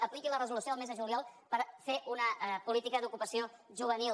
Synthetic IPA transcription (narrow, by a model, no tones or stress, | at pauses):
əplikilərəzulusioəlˠmezðəʒuljalˠpəɾfeʔunəpulit̪ikəd̪ukupəsioʒuβənil